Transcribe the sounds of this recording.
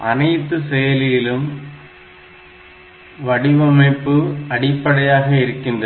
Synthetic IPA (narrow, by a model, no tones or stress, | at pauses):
ʔɐnɐɪt̪ːɯsɛjɐlɪjɪlɯm | ʋɐɽɪʋɐmɐɪpːɯɐɽɪpːɐɽɐjaːɣɐɪɾɯkːɪndrɐ